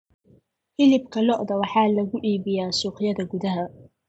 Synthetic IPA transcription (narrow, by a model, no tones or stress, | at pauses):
hɪlɪbkʰɐlɔʔd̪ɐwɑħɑːlɐɣʊʔiːbɪjaːsuːqɪjɐðɐɡʊðɐɦɐ